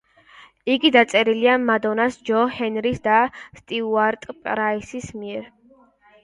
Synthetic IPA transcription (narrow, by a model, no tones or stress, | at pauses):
iɡid̪at̪sʼɛɾiliamad̪ɔnasd͡ʒɔhɛnɾisd̪ast̪ʼiuaɾt̪ʼpʼɾaisismiɛɾ